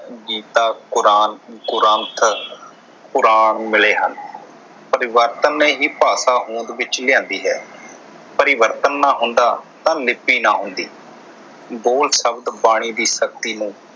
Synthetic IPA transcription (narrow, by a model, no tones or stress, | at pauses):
ɡiːt̪aːkʊɾaːnkʊɾənt̪ʰ | pʊɾaːnmɪleːɦən | pəɾɪʋəɾt̪ənːeːɦiːpaːsaːɦũːnd̪ʋɪt͡ʃlɪjãːnd̪iːɦɛː | pəɾɪʋəɾt̪ənːaːɦʊ̃nd̪aːt̪ãːlɪpːiːnaːɦʊ̃nd̪iː | boːlsəbd̪baːɽ̃iːd̪iːsək̚t̪iːnũː